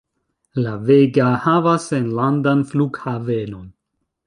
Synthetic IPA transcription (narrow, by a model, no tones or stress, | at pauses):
laveɡahavasenlandanfluɡhaveno̞n